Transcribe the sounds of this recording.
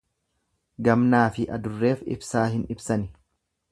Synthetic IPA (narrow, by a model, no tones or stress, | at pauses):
ɡɐmnaːfɪʔɐd̪ʊrːe̞ːfɪ̰bsaːɦɪnɪbsɐnɪ